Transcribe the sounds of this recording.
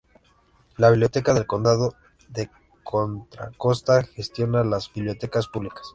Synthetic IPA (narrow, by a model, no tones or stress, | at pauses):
laβiβljo̞t̪e̞kaðe̞lko̞nd̪aðo | ðe̞ | kʰo̞nt̪ɾa̰ko̞st̪axest̪jo̞nalazbiβljo̞t̪e̞kaspuβlikḁs